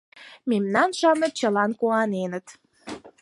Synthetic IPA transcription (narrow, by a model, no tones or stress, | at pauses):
memnɑnʃɑmə̆t͡ɕəlɑnkuɑnenət̪